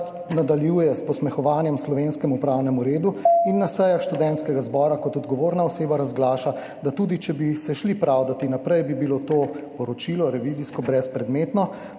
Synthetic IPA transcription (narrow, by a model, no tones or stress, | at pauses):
t̪ | nad̪aljujɛspɔsmɛxɔʋaːnjɛmslɔʋenskɛmupɾawnɛmuɾeːd̪uinːasɛjaxʃt̪ud̪ɛnt̪skɛɡazbɔːɾakɔt̪ɔd̪ɡɔʋoːɾnaɔseːbaɾazɡlaːʃa | d̪at̪uːd̪it͡ʃɛbisɛʃlipɾaːwd̪at̪inapɾɛjbibilot̪oːpɔɾɔt͡ʃilɔɾɛʋiːziskɔbɾɛspɾɛd̪meːt̪nɔ